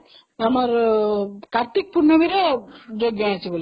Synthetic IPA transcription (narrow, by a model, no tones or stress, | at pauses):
nɐmɐɾ | kɐɾt̪ik̚puɾnɐʋiɾed͡ʒoɡjɐɐsiɡul